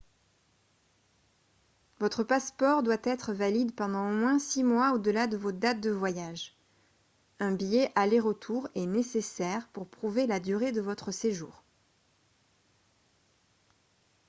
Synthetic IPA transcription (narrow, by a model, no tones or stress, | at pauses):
vɔt̪χəpaspɔʁd̪wat̪ɛt̪χəvalid̪pɑ̃d̪ɑ̃omwɛ̃simwaod̪əlad̪əvod̪at̪̚d̪əvwajaʒ | ɛ̃bijɛʔaleʁət̪ʰuʁɛnesesɛʁpuʁpχuvelad̪yʁed̪əvɔt̪χəseʒṵːʁ